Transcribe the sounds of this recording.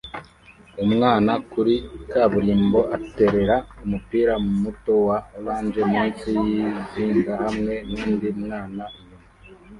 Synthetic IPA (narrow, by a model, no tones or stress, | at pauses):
umŋaːnakuɾikaβuɾiːmbo̞ʔate̞ɾe̞ɾaumupiːɾamumuto̞waulaːnd͡ʒemŋisijiziːŋɡahamŋe̞niːndimŋaːnajumu